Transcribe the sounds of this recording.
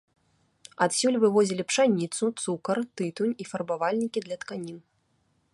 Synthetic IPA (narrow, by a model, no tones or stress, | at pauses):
ɐt̪sʲulʲvɨvɔzʲilʲipʂanʲit̪sut̪sukɐrt̪ɨt̪unʲifɐrbavalʲnʲikʲid̪lʲɐt̪kanʲin